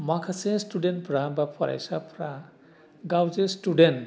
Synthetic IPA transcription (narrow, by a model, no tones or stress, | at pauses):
makʰasẽsʈuɖen̚pʰɾabapʰɔɾa̰jsapʰɾa | ɡawzesʈuɖen